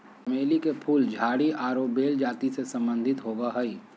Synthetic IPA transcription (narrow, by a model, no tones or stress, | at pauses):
ɐmeːlikepʰuːld͡ʒʱaːɽiaːɾoːbeːld͡ʒaːt̪isesə̃mbə̃nd̪ʱɪt̪ɦoːɡaɦɐiː